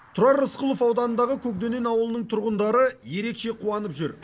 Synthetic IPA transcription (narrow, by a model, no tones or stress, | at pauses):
t̪ʰʊɾɑɾːəsqəlˠofɑwd̪ɑnənd̪ɑʁəkʲʰɵk̚d̪e̞ne̞nɑwəlˠənəɴt̪ʰʊɾʁənd̪ɑɾəje̞ɾe̞kʃeqʰuɑnəpʒʏɾ